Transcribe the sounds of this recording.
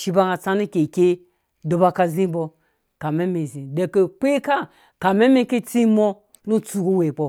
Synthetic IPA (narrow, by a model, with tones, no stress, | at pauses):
ʃi˧ba˧ŋa˧t͡sa˧nu˦kʲe˨kʲe˦ | do˨ba˧ka˧zi˦bo˧ | ka˨me˦mi˨zi˨de˧ke˧k͡pe˦ka˦ | ka˨me˦me˦ke˦t͡si˦mo˧ | nu˦t͡su˧ɡo˦we˨k͡po˧